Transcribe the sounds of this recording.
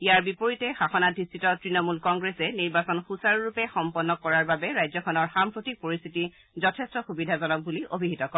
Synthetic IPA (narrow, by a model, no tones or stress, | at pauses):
ijaɹbipoɹitɛxaxɔnadʱistʰitɔtɹinɔmulkɔŋɡɹɛsɛniɹbasɔnxusaɹɹupɛxɔmpɔnːɔkɔɹaɹbabɛɹajzɔkʰɔnɔɹxampɹotik̚poɹist̪ʰiti | zɔtʰestɔxubidʱazɔnɔk̚buliʔobʱiɦitɔkɔ